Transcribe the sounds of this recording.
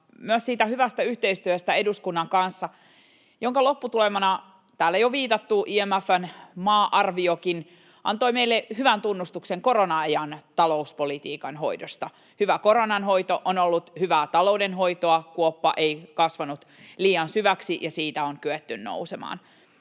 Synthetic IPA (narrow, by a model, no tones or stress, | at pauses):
myøssiːt̪æhyʋæst̪æyht̪eist̪yøst̪æeduskunːɑŋkɑnsːɑ | joŋkɑlopːut̪ulemɑnɑ | t̪æːlːæjoʋiːt̪ɑt̪ːuʔiemæfːænmɑːʔɑrʋiokin | ʔɑ̰nt̪oimeilːehyʋænt̪unːust̪ukseŋkoɾonɑejɑnt̪ɑlouspolit̪iːkɑnɦo̰idost̪ɑ | hyʋækoɾonɑnɦoit̪oʔonolːut̪hyʋæːt̪ɑloudenɦoit̪oɑkuopːɑ̰ʔeikɑsʋɑnut̪liːɑnsyʋæksijɑsiːt̪æoŋkyet̪ːynno̰usemɑ̰ːn